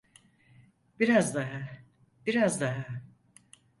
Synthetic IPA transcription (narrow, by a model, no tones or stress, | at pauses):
b̥iɾazd̪aɦa | b̥iɾazd̪aɦa